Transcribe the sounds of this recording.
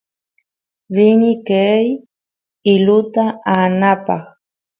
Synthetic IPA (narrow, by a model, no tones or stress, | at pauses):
ɾɪnɪkej | ɪlʊt̪aanapɑ̰χ